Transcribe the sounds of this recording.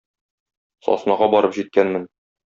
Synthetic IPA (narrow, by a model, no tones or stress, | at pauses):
sɒ̰snɑʁɑbɒɾɤpʑit̪̚kænmɘn